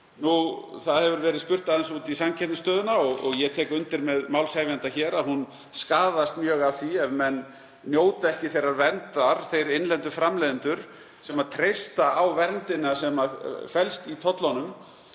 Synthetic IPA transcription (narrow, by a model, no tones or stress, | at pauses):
nuθaðhɛvʏɾvɛːɾɪðspʏr̥t̪aðɪnsuːt̪isamcʰɛt̪nʏst̪œːðʏnaɔɣɔ̰ɣjɛt̪ʰɛːkʏnt̪ɪɾmɛðmaːwlshaːjvjant̪açɛːɾaðɦun | skaːðast̪mjœːɣavθiɛvmɛnː | joːwt̪ɛhcɪθejɾːaɾvɛnt̪aɾ̥θejɾɪnlɛnt̪ʏfɾamlɛːðɪnt̪ʏɾ̥ | sɛmat̪ʰɾejst̪aawvɛɾnt̪ɪnasɛmafɛlst̪it̪ʰɔt̪lanʏm